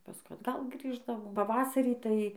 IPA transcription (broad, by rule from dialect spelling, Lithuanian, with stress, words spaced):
pɐˈskʊɪ ɐdˈɡɐlˠ ˈɡrʲiːʒdɐʋoːm pɐˈʋɑːsɐrʲiː tɐɪ